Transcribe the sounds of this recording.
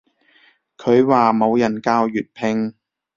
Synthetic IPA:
kʰɵ˨˧ɥwaː˨mo˨˧wjɐ˨˩nkaː˧wjyː˨t̚pʰɪ˧ŋ

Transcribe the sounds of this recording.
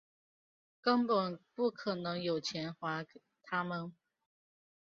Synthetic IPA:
kə˥npə˨˩npu˥˩kʰɤ˨˩nɤ˧˥ŋjo˨˩ʊt͡ɕʰjɛ˧˥nxwa˧˥ | t̪ʰa˥mə˨n

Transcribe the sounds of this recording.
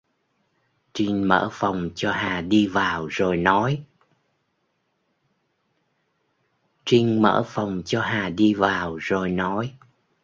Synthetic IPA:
t͡ɕi˧ŋ̟mə̰ː˧˥fə˨˩wŋ͡mt͡ɕɔ˧ɦaː˨˩ɗi˧vaː˨˩wzo˨˩jnɔ˨˦j | t͡ɕï˧ŋ̟mə̰ː˧˥fə˨˩wŋ͡mt͡ɕɔ˧ɦaː˨˩ɗi˧vaː˨˩wzo˨˩jnɔ˨˦j

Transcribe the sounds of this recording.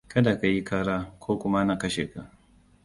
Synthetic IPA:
kɐ˦da˨ka˨ji˦kʰaː˦ɾaː˦kʷʰoː˦kʷʊ˦ma˦na˨kɐ˦ʃḛː˨ka˨ʔ

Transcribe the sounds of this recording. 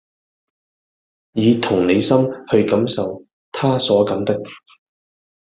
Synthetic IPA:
jiː˨˧t̪ʰʊ˨˩ŋne˨˧jsɐ˥mhɵ˧ɥkɐ˨˥msɐ˨w | t̪ʰaː˥sɔː˨˥kɐ˨˥mt̪ɐ˥k̚

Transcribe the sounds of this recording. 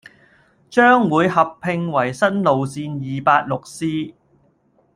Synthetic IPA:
t͡ʃœː˥ŋwuː˨˧jɦɐ˨pʰːɪ˧ŋwɐ˨˩jsɐ˥nlo˨wsiː˧njiː˨paː˧t̚lʊ˨k̚siː˥

